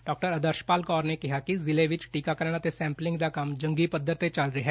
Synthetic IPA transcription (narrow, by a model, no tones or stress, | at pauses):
ɖɔːk̚ʈəɾəd̪əɾʃpaːlkɔːɾnekɪɦaːkizɪlẽːʋɪt͡ʃʈiːkaːkəɾɳ̃aːt̪esɛ̃ːmplɪ̃ŋɡd̪aːkɐmd͡ʒə̃ŋɡiːpəd̪əɾt̪et͡ʃəlɾɪɦɛː